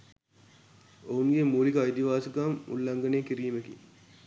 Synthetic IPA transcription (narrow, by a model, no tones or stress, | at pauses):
ouŋɡemuːlikɐjd̪iʋaːsəkamṵlːɐŋɡɐneːkiɾiːmekḭ